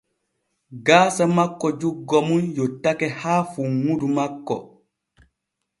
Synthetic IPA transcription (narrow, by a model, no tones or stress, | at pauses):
ɡaːsamakːɔd͡ʒuɡːɔmunjɔtːakɛhaːfuŋudumakːɔ̰